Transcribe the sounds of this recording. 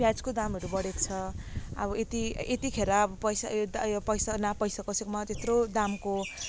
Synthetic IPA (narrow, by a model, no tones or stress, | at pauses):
bjad͡zkod̪amʌɾubʌɽekt͡sʰʌʌ̰bʌet̪iet̪ikʰeɾaːbʌpʌjsad̪jopʌjsanapʌjsakʌsekomat̪et̪rod̪amko